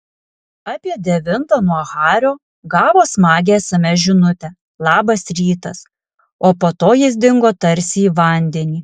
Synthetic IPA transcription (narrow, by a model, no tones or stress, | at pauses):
ɑpʲiɛd̪ʲɛʋʲɪnt̪ɐnuɔɣɑːɾʲoː | ɡɑːʋoːsmɑːɡʲeːɛsɐmʲɛʒʲɪnʊt̪ʲɛ | lˠɑːbɐsɾʲiːt̪ɐs | oːpot̪oːjɪs̬d̪ʲɪŋɡoːt̪ɐɾʲsʲɪiːʋɐˑnʲd̪ʲɛnʲiː